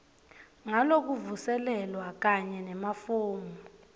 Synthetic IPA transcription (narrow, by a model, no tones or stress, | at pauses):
ŋalok̬uvusɛlɛlwak̬aɲɛnɛmafuːmu